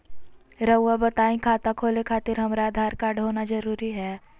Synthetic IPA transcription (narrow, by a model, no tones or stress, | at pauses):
ɾəwːabɐt̪aːĩkʰaːt̪akʰoːlekʰaːt̪ɪɾɦɐmɾaːd̪ʱaːɾkaːɖɦoːnazɐɾuːɾiɦɛː